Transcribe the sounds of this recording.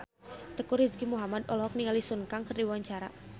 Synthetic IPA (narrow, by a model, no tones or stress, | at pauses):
t̪əkʊrhiskimuɦamad̪ɔlɦɔk̚niŋalisunkaŋkərdiwaɲt͡ʃaɾa̰